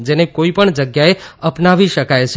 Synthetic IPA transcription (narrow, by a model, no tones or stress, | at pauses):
d͡ʒenekoipəɳd͡ʒəɡjaeəpnaʋiʃəkajt͡ʃʰ